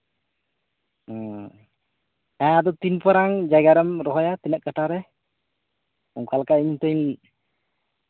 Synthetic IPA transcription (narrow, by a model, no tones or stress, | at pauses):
ɛ̃ad̪ɔt̪inpɔɾaŋd͡ʒajɡaɾɛmɾɔɦɔjat̪inəʔ̚kəʈaɾɛ | ɔŋkalkaiɲt̪ɔjn